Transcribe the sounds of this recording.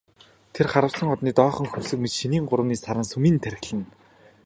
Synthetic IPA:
t̪ʰerχaɾə̆wsə̆ŋɔt̪niːt̪ɔːχɞ̆ŋxɵwsɘ̆kmet͡ɕʃiniːŋɢʊɾə̆wniːsaɾə̆ŋsɵmiːnt̪ʰæɾɪ̆xɮɘ̆n

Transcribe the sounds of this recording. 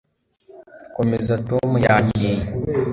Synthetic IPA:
komezatomujakiɲ

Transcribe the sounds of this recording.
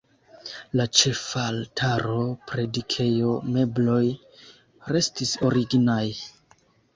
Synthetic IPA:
lat͡ʃe̞faltʰaɾo̞pɾe̞dikʰe̞jo̞me̞blo̞j | ɾe̞stiso̞ɾiɡnaj

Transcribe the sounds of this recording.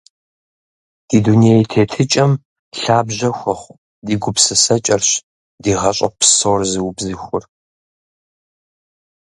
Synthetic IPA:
d̥iːdunijejtʰeːtʰɨt͡ʃʼɐm | ɬaːbʑɐxʷɔχʷ | diːɡʷʊpsɨsɐt͡ʃʼɐrɕ | diːʁɐɕʼɐ̰pʰsowrzɨwbzɨxʷʊr

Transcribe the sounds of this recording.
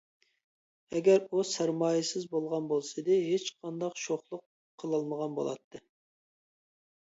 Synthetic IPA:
ɛɡʲɛɾusæɾmɑːjɪsɨzbolˠʁɑnbolˠsɨd̪ɨɦet͡ʃqʰɑnd̪ɑqʃoχlˠʊqʰː | əlˠɨlˠməʁɑnbo̰lˠɑ̰t̪ʰːɨ

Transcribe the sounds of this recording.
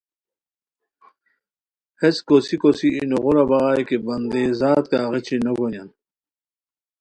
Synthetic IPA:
heskosikosiːnoʁuɾabaɣajkebɐnd̪eːzaːt̪̚kaːʁet͡ɕinoɡonjan

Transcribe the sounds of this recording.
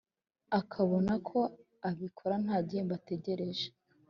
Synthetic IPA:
akʰaβo̞nakʰo̞ | aβikʰoɾan̥haːɟembate̞ɟe̞ɾe̞ʒe̥

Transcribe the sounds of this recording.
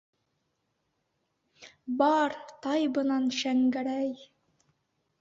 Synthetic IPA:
bɑɾt̪ɑjbɤ̆nɑnʃæŋɡæɾæj

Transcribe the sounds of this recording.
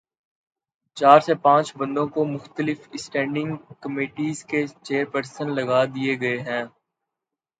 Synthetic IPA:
t͡ʃaːɾsepãːt͡ʃbɐ̃nd̪õkomʊxt̪əlɪfɪsʈɛ̃ːɳɖɪ̃ŋɡkɐmeːʈiːzket͡ʃeːɾpəɾsənlɐɡad̪ieɡɐeɦɛ̃ː

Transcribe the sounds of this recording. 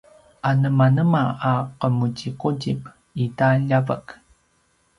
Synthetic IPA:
ʔanəmanəmaaqəmucikuɟip | itaʎavə̰k

